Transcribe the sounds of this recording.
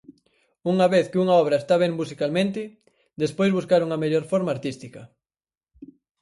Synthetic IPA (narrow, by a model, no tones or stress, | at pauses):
uŋɐβeθkɪuŋɐɔβ̞ɾɐest̪aβ̞ɛ̃ŋmusikalmẽnt̪ɪ | d̪espojzβuskaɾuŋɐmeʎoɾfoɾmaːɾt̪ist̪ikɐ